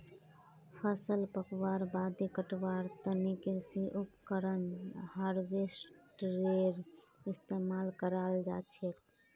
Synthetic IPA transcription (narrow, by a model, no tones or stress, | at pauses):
pʰəsəlpəkwaːɾbad̪ekəʈwaɾt̪ənikesiʔupkəɾənhaɾɡesʈɾeɾɪst̪emaːlkəɾald͡ʒa̰t͡ʃʰek